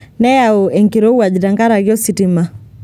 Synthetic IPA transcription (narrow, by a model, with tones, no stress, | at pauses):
nɛ˦au˨ɛ˨ŋkiɾɔ˦u˦a˨d͡ʒi˨taŋɡa˦ɾaɣjɔ˦sitima˨